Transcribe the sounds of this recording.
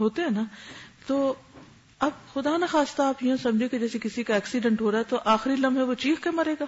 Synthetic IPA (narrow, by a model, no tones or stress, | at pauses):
ɦoːt̪eɦɛ̃ːnat̪oː | ɐbxʊd̪aːnaxaːst̪aaːpjiõsɐ̃md͡ʒʱiẽked͡ʒɛːsekɪsikaɛːksiɖɛ̃ɳʈɦoːɾaɦɛt̪oʔaːxɾilɐ̃mbɦɛʋot͡ʃiːxkemɐɾeːɡaː